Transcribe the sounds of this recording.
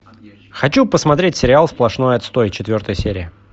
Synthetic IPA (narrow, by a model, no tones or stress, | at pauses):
xɐt͡ɕupəsmɐt̪ɾʲet̚ʲsʲɪɾʲɪalˠsplˠɐʂno̞jɐt̪st̪o̞jt͡ɕɪt̪vʲo̞rt̪əjəsʲeɾʲɪɪ